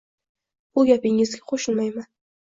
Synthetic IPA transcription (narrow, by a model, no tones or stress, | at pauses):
bʊɡʲapɪŋɪzɡʲaqʰoʃɪnmajman